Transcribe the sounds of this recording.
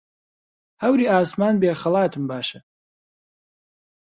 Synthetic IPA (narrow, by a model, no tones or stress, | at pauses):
hɐwɾiːaːsmaːnbeːχɐlˠaːt̪ʰɨmbaːʃɐ